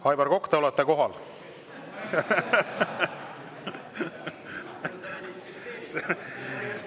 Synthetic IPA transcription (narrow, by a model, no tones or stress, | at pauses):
hɑjbɑɾko̞kːt̪eolɛt̪ːeko̞ɦɑl